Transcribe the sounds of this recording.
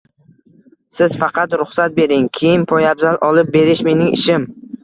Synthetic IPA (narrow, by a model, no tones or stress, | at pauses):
sɪz̥fɑqʰɑt̪ɾʊχsat̪̚be̞ɾɪŋkʲʰejɪnpʰojabzalʔɒlˠɪp̚be̞ɾɪʃme̞nɪŋɪ̰ʃɪm